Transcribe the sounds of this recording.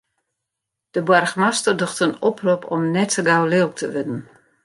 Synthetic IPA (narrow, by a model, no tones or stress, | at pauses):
d̥əbwarxmastərdoxtənɔpʰrupʰɔmnɛtʰəɡawlɪlˠk̚tʰəʋɪdən̩